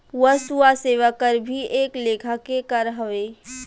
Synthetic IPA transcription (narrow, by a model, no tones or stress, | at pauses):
ʋəsuaseːʋakəɾbʱieːkleːkʰakekəɾɦəʋeː